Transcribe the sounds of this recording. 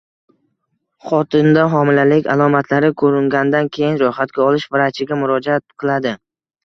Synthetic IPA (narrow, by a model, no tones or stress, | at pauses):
χɒt̪ʰɪnd̪aɦɒmɪlalɪkʲalˠɒmat̪ʰlaɾɪkʰɵɾɪŋɡʲand̪ankʲʰe̞jɪnɾʊjχat̪̚ɡʲaɒlɪʃvɪɾat͡ʃʰɪɡʲamʊɾɒd͡ʒaat̪̚qʰɨlˠad̪ɪ